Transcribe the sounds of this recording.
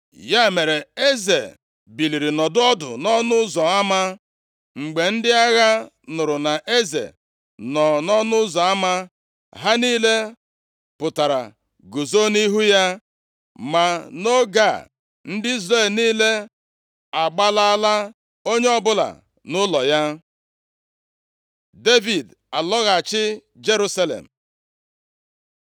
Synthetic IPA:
ja˦˨me˨ɾe˨e˦ze˨ | bi˨li˨ɾi˨nɔ˨dʊ˦ɔ˦dʊ̰˨nɔ˦nʊ˦ʊ˦zɔ˨a˦ma˦ | ŋ͡m̩˨ɡ͡be˨n̩˦dɪ˦a˦ɣa˦ | nʊ˨ɾʊ˨na˨ʔe˦zḛ˨ | nɔ˨nɔ˦nʊ˦zɔ˨a˦ma˦ | ɦa˦niː˦le˦ | pʊ˨ta˨ɾa̰˨ | ɡu˨zo˦ni˦ɦu˦ja˦ | ma˨no˦ɡa˦˨ | n̩˦dɪ˦i˦zɾe˨lniː˦le˦ | a˨ɡ͡ba˦la˦a˦la˦ | o˦ɲe˦ɔ˦bʊ˦la̰˨ | nʊ˦lɔ˨ja˦ | de˦vi˨d | a˨lɔ˦ɣa˨t͡ʃɪ˦ | d͡ʒe˦ɾu˦sa˦lḛ˨m̩˨

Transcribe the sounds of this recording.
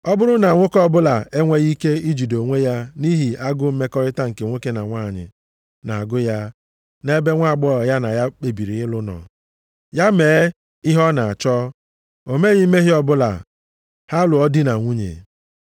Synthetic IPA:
ɔ˦bʊ˦ɾʊ˦na˨ŋʷʊ˦kɔ˦bʊ˦la˨e˦ŋʷe˦ɣi˦ke˦i˦d͡ʒi˨do˨ŋʷe˦ja˦ni˦ɦi˨a˦ɡʊ˦m̩˦me˦kɔ˦ɾɪ˦ta˦ŋ̩˨ke˨ŋʷo˦ke˦na˨ŋʷa˦˨ɲɪ̰˨ | na˨a˨ɡʊ˦ja˦ | ne˦be˦ŋʷa˦˨ɡ͡bɔ˦ɔ˨ja˦na˨ja˦k͡pe˨bi˨ɾi˨ɪ˦lʊ˦nɔ̰˨ | ja˦meː˨e˦ | ɪ˦ɦɔ˦na˨a˨t͡ʃɔ˦ | o˨me˦ɣɪ˦m̩˦me˦ɦɪ˦ɔ˦bʊ˦la̰˨ | ha˦lʊ˨ɔ˦dɪ˦na˨ŋʷu˦ɲḛ˨

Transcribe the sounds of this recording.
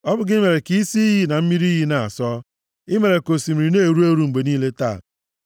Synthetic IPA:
ɔ˦bʊ˨ɡɪ˦me˨ɾe˨ki˦i˦si˦i˦ɦi˦na˨m̩˦mi˦ɾi˦ɦi˦na˨a̰˨sɔ˦ | ɪ˦me˨ɾe˨ko˨si˨m̩˨ɾi˨ne˦˨ɾu˦e˦ɾu˦m̩˨ɡ͡be˨niː˦le˦ta˦˨

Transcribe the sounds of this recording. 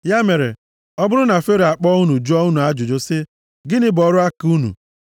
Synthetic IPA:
ja˦me˨ɾḛ˨ | ɔ˦bʊ˦ɾʊ˦na˨fe˦ɾe˨a˨k͡pɔ˦u˦nu˨d͡ʒɔ˦u˦nu˨a˦d͡ʒʊ˨d͡ʒo˦sɪ˦ | ɡɪ˦nɪ˦bɔ˨ɾʊ˦a˦ku˦nṵ˨

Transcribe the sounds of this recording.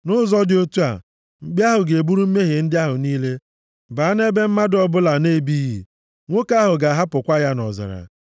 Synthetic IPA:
nʊ˦zɔ˦dɪ˨o˦tu˦a̰˨ | ŋ͡m̩˦ɡ͡bja˦ɦʊ˨ɡe˨bu˦ɾu˦m̩˦me˦ɦe˨n̩˦dɪ˦a˦ɦʊ˨niː˦le˦ | baː˨˦n˦e˦be˦m̩˦ma˦dɔ˦bʊ˦la˨ne˦˨bi˦ji˨ | ŋʷo˦ka˦ɦʊ˨ɡa˨ɦa˦pʊ˨kʷa˦ja˦nɔ̰˨zɪ̰˨ɾa̰˨

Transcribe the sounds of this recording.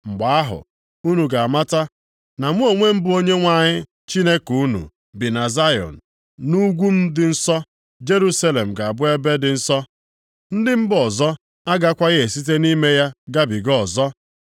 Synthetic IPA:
ŋ͡m̩˨ɡ͡ba˨a˦ɦʊ̰˨ | u˦nu˨ɡa˨ma˦ta˦ | na˨ŋʷ˦o˨ŋʷe˦m̩˦bʊ˦o˦ɲe˦ŋʷa˨ɲɪ˦ | t͡ʃi˦ne˦ku˦nṵ˨ | bɪ˨na˨za˦jɔ̰˨n̩˨ | nu˦ɡʷu˦m̩˦dɪ˨n̩˦sɔ˦ | d͡ʒe˦ɾu˦sa˦le˨m̩˨ɡa˨a˨bʊ˦e˦be˦dɪ˨n̩˦sɔ˦ | n̩˦dɪ˦m̩˦bɔ˨zɔ˦ | a˦ɡa˦kʷa˦ɣe˨si˦t̬e˦ni˦me˦ja˦ɡa˦bi˨ɡɔ˨zɔ˦

